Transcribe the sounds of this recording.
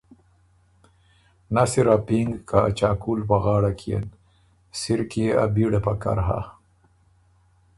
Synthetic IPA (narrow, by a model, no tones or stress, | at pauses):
nasiɾapiŋɡkaːt͡ʃaːkuːlpaɣɑːɽakʰiḛn | siɾkia̰biɽepaka̰ɾɦa̰